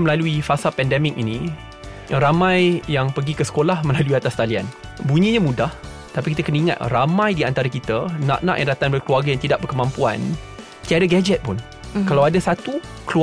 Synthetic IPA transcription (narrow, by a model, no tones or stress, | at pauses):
mə̃laluifasapɛndɛmɪk̚inĩ | ɾamãjjaŋpəɡikəsə̥kolahmə̃laluiat̪ast̪alia̰nbuɲĩɲãmũdah | t̪apikit̪əkənəiŋa̰t̪ramãjdiant̪aɾakit̪əna̰ʔnã̰ʔjaŋdat̪anbərkəluarɡajaŋt̪idaʔbərkəmãmpua̰n | t̪iadaɡɛd͡ʒɛt̪̚pʊn | kalawadasat̪u | klu